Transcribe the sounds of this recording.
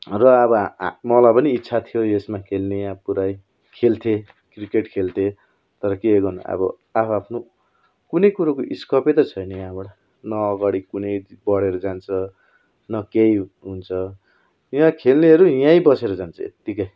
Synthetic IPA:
rʌʌbʌmʌlajpʌniːtːsʰat̪ʰijojesmakʰelnejãpuɾaj | kʰelt̪ʰe | krikeʈkʰelt̪ʰe | t̪ʌɾʌkeɡʌn̰ʌ̰bʌ | apʰapʰno | kunʌjkuɾakoʔiskʌpet̪ʌt͡sʰʌjnʌjãboɽa | nʌːɡaɽikunʌjbʌɽeɾud͡zant͡sʰʌ | nʌkejɦunt͡sʰʌ | jãkʰelneɦʌɾujãjbʌseɾʌd͡zant͡sʰʌḛt̪ːikʌj

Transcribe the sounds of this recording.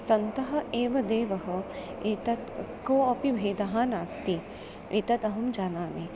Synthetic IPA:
sɐnt̪ɐɦɐ̆eːʋɐd̪eːʋɐɦɐ̆ | eːt̪ɐt̪ | koːɐpibʱeːd̪ɐɦaːnaːst̪i | ʋʔeːt̪ɐt̪ɐɦɐmd͡ʒaːnaːme

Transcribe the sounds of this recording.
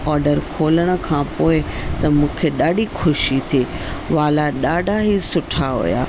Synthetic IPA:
ɔːɾɖəɾkʰoːləɽ̃ə̆kʰãːpoːɪt̪ɐmũːkʰeɗaːɖixʊʃit̪ʰiːʋaːlaɗaːɖʱaɦisʊʈʰaɦṵja̰ː

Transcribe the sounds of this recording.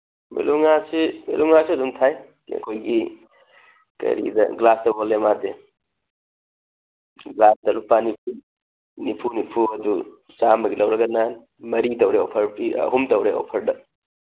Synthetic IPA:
mḭluŋasimḭluŋasiɐdumtʰaj | ɐ̰kʰojɡi | kɐ̰ɾḭdɐ̰ɡlasdɐwolemade | ɡlasdɐlupanipʰu | nipʰunipʰuɐdu | samɐɡilɐwɾɐɡɐnan | mɐɾidɐwɾeopʰɐɾpiɐ̰ɦumtɐwɾeo̰pʰɐɾdɐ

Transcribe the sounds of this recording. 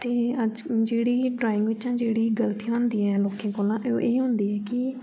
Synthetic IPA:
t̪eːəd͡ʒd͡ʒeːɽiːɖɾaːɪ̃ŋɡʋɪt͡ʃãːd͡ʒeːɽiːɡəlt̪iãːnd̪iːɛːloːkẽːkoːlãːʔeoʔeːɦʊ̃nd̪iːɛːkɪ

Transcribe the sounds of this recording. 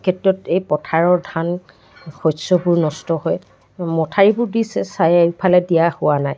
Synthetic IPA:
kʰetɹɔtejpɔtʰaɹɔɹdʱan | xɔsɔbʊɹnɔstɔɦɔj | mɔtʰaɹibʊɹdisɛsajpʰalɛdijahʊwanaj

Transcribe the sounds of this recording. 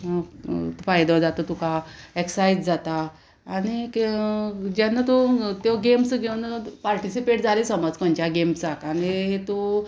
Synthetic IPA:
fajd̪ə̃d͡zat̪ot̪ukaeksajd͡zd͡zat̪aː | ɽ̃ik | d͡ʑjanːat̪ot̪joɡemsɡʱenpaɾʈisipeʈ̚d͡zalesəmɔd͡zkɔ̃ɲt͡ɕjaɡemsakañiɦet̪o

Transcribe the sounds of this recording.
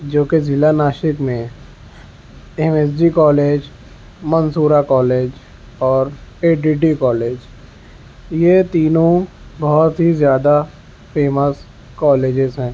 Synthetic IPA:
d͡ʒoːkezɪlanaːʃɪkmẽ | ɛmeːs̬ɖikɔːleːd͡ʒ | mənsuːɾakɔːleːd͡ʒ | ɔːɾeːɖiːʈikɔːleːd͡ʒ | jet̪iːnõ | bɔʊt̪ɦizjaːd̪a | feːməs | kɔːleːd͡ʒɪzɦɛ̃ː

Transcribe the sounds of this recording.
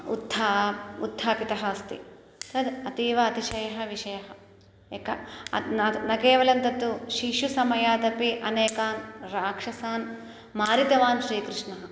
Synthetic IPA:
ud̪ʱːaud̪ʱːaːpit̪ɐɦɐst̪ḭ | t̪ɐd̪ɐt̪iːʋɐːt̪iʃɐjɐɦɐʋiʂɐjɐɦɐ | ekɐɐnɐnɐkeːʋɐlɐnt̪ɐt̪ːuʃiʃusɐmɐjaːt̪ɐpiʔɐneːkaːnɾaːkʂɐsaːn | maːɾit̪ɐʋaːnʃɾiːkɾɨʂnɐɦɐ

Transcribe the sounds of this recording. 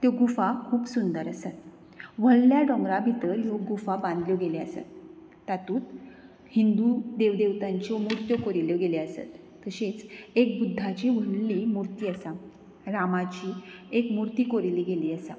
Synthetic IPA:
t̪joɡufakʰuːbsund̪əɾəsat̪ | ʋəɭljaɖɔ̃ŋɡɾabʱit̪əɾɦjoɡufabãnd̪ljoɡeleəsa̰t̪ː | at̪uːt̪ | hind̪ud̪eʋd̪eʋt̪aɲt͡ɕɔmuɾt̪jokoɾiljoɡeleəsa̰t̪ːəɕet͡sek̚bud̪ʱːat͡ɕiːʋ̤əɭliːmuɾt̪iːəsa | ɾamat͡ɕiːekmuɾt̪iːkoɾiliːɡeliːəsa

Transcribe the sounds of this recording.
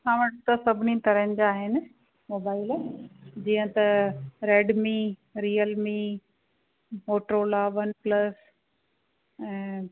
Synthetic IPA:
sãːʋɐʈt̪ɐsɐbʱɪnit̪ɐɾənɪ̆d͡ʑaːɦɪnɪ̆ | moːbaːɪled͡ʑiːə̃t̪ɐɾeːɖmĩɾiːjəlmĩ | moːʈɾoːlaʋɐnplɐs | ɛ̃ː

